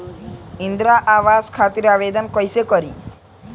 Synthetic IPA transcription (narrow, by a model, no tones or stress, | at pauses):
ind̪ɾaʔaʋaskʰat̪iɾaʋed̪ɔnkɔjsekɔɾi